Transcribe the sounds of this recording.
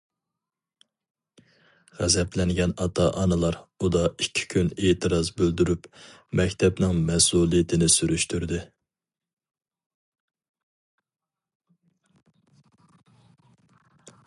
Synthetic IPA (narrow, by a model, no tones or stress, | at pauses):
ʁæzɛplɛŋɡʲɛnɑt̪ʰɑʔɑnɨlˠɑɾud̪ɑikʲʰːi̥kʲʰyneːt̪ʰɨɾɑzbøld̪yɾyp | mɛkʲt̪ʰɛpnɪŋmɛsulˠijɪt̪ʰɪnɪsyɾyʃt̪ʰyɾd̪ɪ